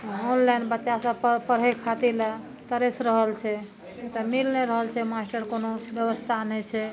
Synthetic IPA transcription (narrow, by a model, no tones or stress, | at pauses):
onlainbətːʃasə̃ppəɾɦekʰat̪ila | t̪əɾesɾəɦəlt͡ʃʰɛ | t̪əmilneɾəɦəlt͡ʃʰɛmasʈəɾkonobjəβəst̪ʰanɛt͡ʃʰɛ